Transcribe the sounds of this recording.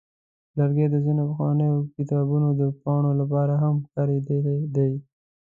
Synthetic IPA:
ləɾɡed̪əzinopəxwɑnəjokɪt̪ɑbunod̪əpɑɳ̃olapɑɾaɦamkɑɾed̪əld̪aj

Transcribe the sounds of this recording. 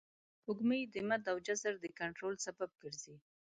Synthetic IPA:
pʊɡməjd̪əmat̪awd͡ʒazaɾd̪əkaɳʈɾolsabab̚ɡəɾzi

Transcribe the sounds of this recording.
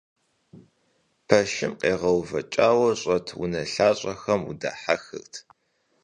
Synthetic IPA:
pʰɐʃɪmqeːʁɐwvɐt͡ʃʼaːwɐɕʼɐtʰwṵnɐɬaːɕʼɐxɐmṵda̰ħaxɨ̰ɣtʰ

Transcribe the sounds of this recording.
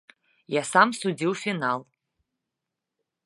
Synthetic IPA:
jasamsud͡ziwfinal

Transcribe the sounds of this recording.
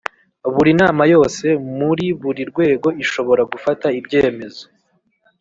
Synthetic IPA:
βuɾinaːmajo̞ːse̞muɾiβuɾiɾɡwe̞ːɡo̞iʃo̞βo̞ɾaɡufataibɟe̞ːme̞zo̥

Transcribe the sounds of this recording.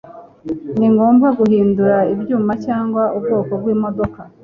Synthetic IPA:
niŋɡo̞ːmbɡaɡuhiːnduɾaibjuːmacaːŋɡwaʔubɡo̞ːko̞bɡwiːmo̞do̞ka

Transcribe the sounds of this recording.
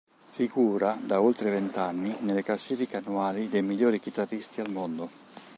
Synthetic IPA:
fiɡuːɾad̪aolt̪ɾevɛnt̪anːinelːeklasːiːfikeanːuaːlid̪ejmiʎːoːɾikit̪arːist̪ialmond̪o

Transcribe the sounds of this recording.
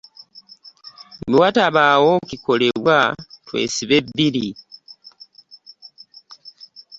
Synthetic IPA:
miwataβaːwokiko̞le̞βwatwḛːsiβebːiɾi

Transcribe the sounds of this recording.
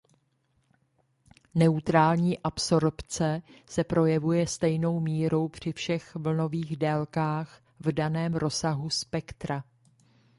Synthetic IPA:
nɛut̪ɾaːlɲiːʔapso̞ɾpt͡sɛsɛpɾo̞jɛvujɛst̪ɛjno̞wmiːɾo̞wpr̝̥ɪfʃɛxvl̩no̞viːɣdɛlkaːx | vdanɛːmɾo̞saɦuspɛkt̪ɾa

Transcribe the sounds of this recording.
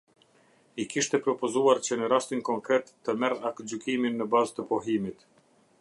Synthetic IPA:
ikiʃt̪ɛpɾɔpɔzuaɾt͡ɕənəɾast̪inkɔŋkɾɛt̪ːəmɛrakd͡ʑykiminːəbazt̪əpɔɦimit̪

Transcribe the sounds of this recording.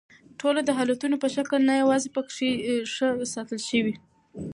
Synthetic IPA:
ʈʰolod̪əɦɑlat̪unopəʃakəlnajawɑzepəkʂeʂəsɑt̪əlʃəwi

